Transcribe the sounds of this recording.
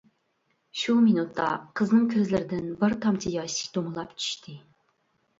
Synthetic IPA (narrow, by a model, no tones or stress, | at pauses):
ʃuminut̪ʰːɑ̰qʰəznɨŋkʲʰøɾzlɪɾɪd̪ɪnbɪɾt̪ʰɑmt͡ʃʰijɑʃi̥kʲt̪omɨlˠɑpt͡ʃʰy̥ʃt̪ʰɨ